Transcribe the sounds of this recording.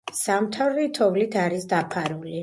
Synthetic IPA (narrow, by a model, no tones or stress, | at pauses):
samt̪ʰavɾɛt̪ʰɔvlit̪ʰaɾisd̪apʰaɾuli